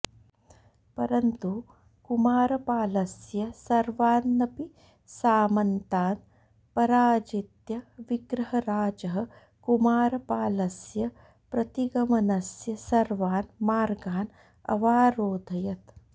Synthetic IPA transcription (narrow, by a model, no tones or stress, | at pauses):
pɐɾɐnt̪u | kumaːɾɐpaːlɐsjɐsɐɾʋaːnːɐpi | saːmɐnt̪aːn | pɐɾaːd͡ʒit̪jɐʋiɡɾɐɦɐɾaːd͡ʒɐɦɐ̆ | kumaːɾɐpaːlɐsjɐ | pɾɐt̪iɡɐmɐnɐsjɐsɐɾʋaːnmaːɾɡaːn | ɐ̰ʋaːɾoːd̪ʱɐjɐt̪